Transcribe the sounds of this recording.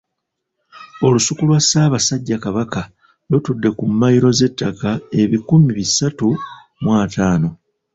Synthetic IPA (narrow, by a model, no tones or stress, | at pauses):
o̞lusukulwasaːβasaɟːakaβaka | lutudːe̞kumːajiɾo̞ze̞tːakae̞βikumiβisatu | mwaːtaːno̞